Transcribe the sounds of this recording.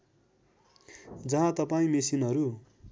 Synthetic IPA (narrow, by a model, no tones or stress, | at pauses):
d͡zʌɦãt̪ʌpaĩmesinɦʌɾu